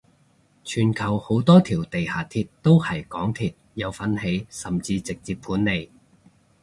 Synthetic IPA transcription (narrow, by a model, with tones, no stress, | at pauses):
t͡ʃʰyː˨˩nkʰɐ˨˩who˨˥wt̪ɔː˥t̪ʰiː˨˩wt̪e˨jhaː˨˩t̪ʰi˧t̚t̪o˥whɐ˨˩jkɔː˨˥ŋt̪ʰiː˧t̚jɐ˨˧wfɐ˨˥nhe˨˥jsɐ˨mt͡siː˧t͡sɪ˨k̚t͡siː˧ppʰuː˨˥nːe˨˧j